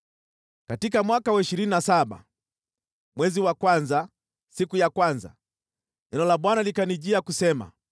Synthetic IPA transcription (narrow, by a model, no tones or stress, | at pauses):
katikamwakawaiʃiɾininasaɓa̰ | mwɛziwakwanza | sikujakwanza̰ | ɲɛnɔlaɓwanalikaniʄiakusɛma̰